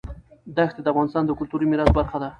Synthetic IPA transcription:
d̪axt̪ed̪əafɣɑnɪst̪ɑnd̪əkʊlt̪uɾimɪɾas̚baɾxad̪a

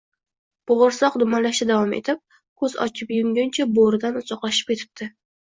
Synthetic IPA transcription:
b̥ʊʁʊɾsɒqd̪ʊmanlaʃt̪ad̪avɒmḛt̪ʰɪp̚ | kʰɵzɒ̰t͡ʃʰɪpjʊŋɡʲʊnt͡ʃʰaboɾɪd̪anʊsɒqlˠɑʃɪ̥p̚kʰʲe̞t̪ʰɪ̥p̚t̪ʰɪ

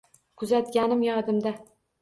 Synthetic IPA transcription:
kʰʊzat̪̚ɡʲanɪmjɒd̪ɪmd̪a

